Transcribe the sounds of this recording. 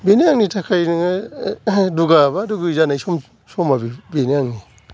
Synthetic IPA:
beniaŋnitʰakʰajnŋa | duɡabaːduɡuizanajsɔm | sɔmabibeniaŋni

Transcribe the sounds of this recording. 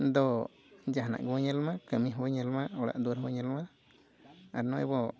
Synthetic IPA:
nd̪o | d͡ʒaɦna̰ʔɡoɲəlmãkamĩɦoɲəlmaɽa̰ʔd̪uɾɦoɲəlmã | a̰nõḛbo

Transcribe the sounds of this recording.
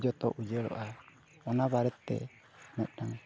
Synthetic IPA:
d͡ʒɔt̪ɔ̰ʔud͡ʒɛɭɔ̰ʔa | ɔnabaɾɛt̪ːɛ̰ | mɛt̪̚ˀnaŋ

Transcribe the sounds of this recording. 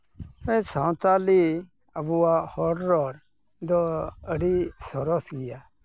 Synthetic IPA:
ɛ̃sʰãw̃t̪ali | əbuahɔɽɾɔɾ | d̪ɔəɽisɔɾɔsɡija

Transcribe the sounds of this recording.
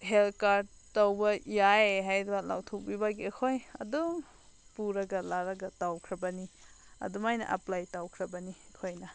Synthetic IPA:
ɦelkaɾd̚ | tɐwbɐjaeɦajdbala̰wtʰok̚bibaɡiekʰojɐ̰du | puɾɐɡɐlaɾɐɡɐtawkʰɾɐbɐni | ɐ̰dumajnɐ̰ʔɐ̰plajtawkʰɾɐbɐnikʰojnɐ

